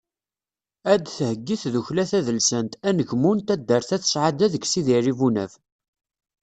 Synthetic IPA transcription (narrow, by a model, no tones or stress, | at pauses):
æd̪θəhəɡːiθðuçlæθæðəlsənt̪ænəʝmunt̪æd̪ːəɾθæθə̥sʕad̪æðəɡsiðirivunæ̰v